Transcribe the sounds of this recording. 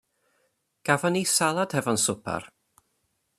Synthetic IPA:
ɡ̥avɔnisalˠad̥hɛvɔnsʊpʰa̰r

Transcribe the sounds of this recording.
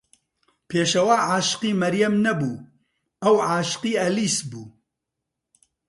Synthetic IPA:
pʰeːʃɐwaːʕaːʃɨ̥qiːmɐɾjɐmnɐbuː | ɐwʕaːʃɨ̥qiːɐliːsbuː

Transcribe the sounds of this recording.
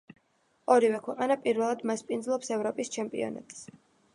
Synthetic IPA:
ɔɾivɛkʰwɛqʼanapʼiɾvɛlˠad̪maspʼinzlˠɔpsɛvɾɔpʼist͡ʃʰɛmpʼḭɔ̰na̰t̪ʼs

